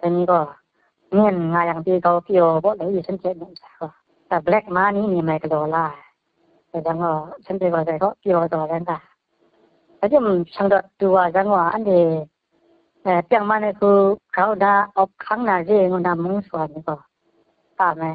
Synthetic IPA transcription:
ta˧ni˧˦kɔ˧ | ŋi˧˩˨nŋa˨ja˨ŋti˧ɡa˧wki˧ɔ˨˧bɔ˧ʔla˨i˧˨sʰɛ˦ntʰɛ˧˨ni˧˨ʔmsa˨kɔ˧˨ | ta˧blɛ˧˦k̚ma˧˦ni˧˦ni˧˨ma˧˨jkə˧lɔ˨la˧˨ | a˧jza˧˦ŋkɔ˧˩sʰɛ˧˦ntɛ˧˨kɔ˧˨za˧jkɔ˧˨ʔki˧jɔ˨zɔ˧˨za˧˦ŋka˧˨ | a˧˨di˦˨msa˧ŋdɔ˧˨ʔdu˧wa˨za˧˦ŋɔ˧a˨a̰˨ndɛ˨ | pi˦˧a˧˨ŋma˦na˧jkʰu˧ɾa˧˦wna˧ɔ˧˦p̚kʰa˧˦ŋna˧˨zɛ˧˨ŋɔ˧˨na˧mɔ˧˦ŋsu˨a˨ni˧˨kɔ˧ | taː˧˨ma˧˨j

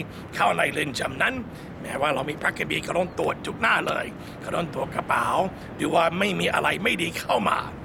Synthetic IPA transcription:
kʰaː˥˩wna˧jlɯ˧˩nt͡ɕa˧˩mna˦˥n | mɛ̰ː˦˥waː˥˩ɾa˧wmiː˧pʰɾa˦˥kːa˧biː˧kaː˥˧˩ɾɔː˧˥˩ŋt̪u˨˩ət̪̚t͡ɕu˨˦˩k̚naː˥˩lɤ̰ː˧j | ka˥˩dɔː˧˥˩ŋt̪u˨˩ət̪̚kɾa˧paː˨˩˦w | dɯː˨˦waː˧˥˩ma˥˩jmiː˧ʔa̰˧ɾa˧jma˥˩jdiː˧kʰa˥˩wma̰ː˧

